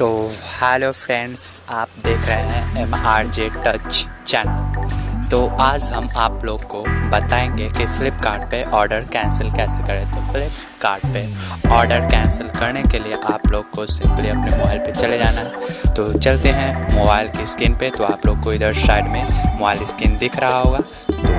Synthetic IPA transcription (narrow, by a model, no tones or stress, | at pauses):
t̪oːhɛːloːfɾɛ̃ːnɖzaːp̚d̪eːkʰɾəɦeɦɛ̃ɛmaːɾd͡ʒeʈɐt͡ʃ | t͡ʃɛːnəlt̪oaːd͡ʒɦɐmaːploːɡkobɐt̪aːẽːŋɡekifɪlɪpkaːɾɖ̚peʔɔːɾɖəɾkɛ̃ːnsəlkɛːsekɐɾet̪ʰofɪlɪp | kaːɾɖpeɔːɾɖəɾkɛ̃ːnsəlkɐɾnekelieʔaːploːɡkosɪ̃mpliɐpnemoːbaːɪlpet͡ʃɐled͡ʒaːnaɦɛ̃t̪ot͡ʃɐlt̪eɦɛ̃moːbaːɪlkiskɪnpet̪oaːploːɡ̚koɪd̪əɾʃaːɪɖmẽmoːbaːɪliskɪnd̪ɪkʰɾɐɦaɦoːɡaː | t̪oː